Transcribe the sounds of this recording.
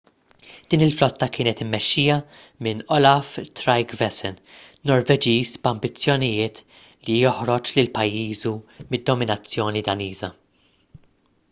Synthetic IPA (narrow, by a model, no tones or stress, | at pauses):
d̪̥iːnɪlflɔt̪ːɐkɪːnɛt̪ɪmːɛʃːiːjɐ | mɪnɔlɐft̪ɾɐjkvɛsɛnnɔɾvɛd͡ʒiːsbɐmbɪt͡sːjɔnɪjɪːt̪ | lijɔħɾɔt͡ʃlɪlpɐjːiːzumɪd̪ːɔmɪnɐt͡sːjɔːnid̪ɐniːzɐ